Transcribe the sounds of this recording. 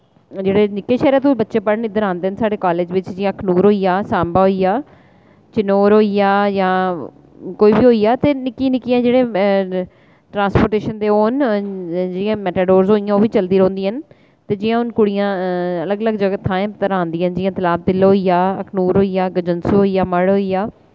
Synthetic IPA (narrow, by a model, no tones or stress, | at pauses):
d͡ʒeːɽeːnɪkːeːʃɛːɾaːt̪uːbətːʃeːpəɽnɪd̪əɾãːnd̪eːɦənsaːɖeːkaːleːd͡ʒʋɪt͡ʃd͡ʒɪjãːkʰnuːɾɦoːijaːsaːmbaːɦoijaː | t͡ʃɪnoːɾɦoːijaːjãː | koːiːbiːɦoːiːaːt̪eːnɪkːiːnɪkijãːd͡ʒeːɽeː | ʈɾãːnspoːɾʈeːʃənd̪eːoːn | d͡ʒeːɪjãːmɛːʈaːɖoːɾzɦoːijãːoːʋiːt͡ʃəld̪iːɾə̃õːnd̪iːɦən | t̪eːd͡ʒɪjãːʊnkʊɽijãːələɡələɡd͡ʒəɡat̪ʰãːẽːt̪əɾaːnd̪iːənd͡ʒɪãːt̪əlaːb̚t̪ɪlɦoːijaːəkʰnuːɾɦoːiːaːɡəd͡ʒənsuːɦoːiːjaːməɽɦoːijaː